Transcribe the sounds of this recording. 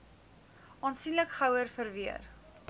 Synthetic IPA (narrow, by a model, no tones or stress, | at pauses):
ʔɑːnsinləkχɐwərfərviə̰r